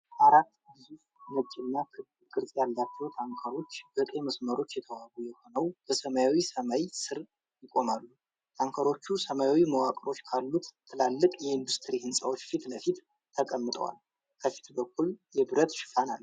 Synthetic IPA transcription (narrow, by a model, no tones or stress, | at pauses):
aɾat̪ːɨzuf | mət͡ʃʼːɪnːakʰɨl | kʼɨɾsʼjalːat͡ʃːɛwt̪ʰaŋkʰəɾo̞t͡ʃːb̥ɨk̪ʼe̞məsməɾo̞t͡ʃːjɛt̪ʰəwaɡujɛho̞nəwb̥əsəmajawisəmajsɨɾ | jɪkʼo̞malːu | t̪ʰaŋkʰəɾo̞t͡ʃːusəmajawiməwakʼɾo̞t͡ʃːkʰalːut̪ʰːɨlalːɨkʼjɛɨnd̪ust̪ʰɨɾihɨnsʼawot͡ʃːfit̪ləfit̪ | t̪ʰːəkʼəmːɨt̪ʼə̰wa̰l | kʰəfi̥t̪bəkʰːuljɛbɨɾət̪ʃɪ̥fana̰lːu